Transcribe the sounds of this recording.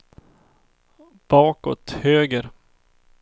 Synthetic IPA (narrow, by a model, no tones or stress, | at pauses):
b̥ɑːkɔt̪høːɡəɾ